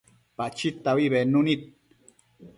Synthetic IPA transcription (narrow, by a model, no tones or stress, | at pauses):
pat͡ʃit̪ːawiβenunit̪̚